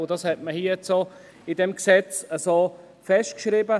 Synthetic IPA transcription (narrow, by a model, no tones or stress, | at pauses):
dɑshɛt̚məhiːət͡so | ɪdɛmksɛt͡səso | fɛʃtkʃɾiːbə